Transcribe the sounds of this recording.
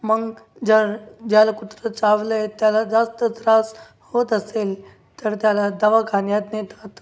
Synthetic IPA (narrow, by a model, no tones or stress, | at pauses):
məɡ | d͡ʑəɾd͡ʑjalakut̪ɾət͡saʋləet̪jalad͡zast̪əd͡zɾas | hot̪əsel | t̪əɾt̪jalad̪əʋakʰanjat̪net̪at̪